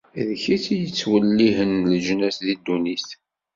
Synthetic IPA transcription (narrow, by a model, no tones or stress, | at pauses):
ðçit͡sjət͡sːwəlːiɦənləʒnæsðid̪ːuniθ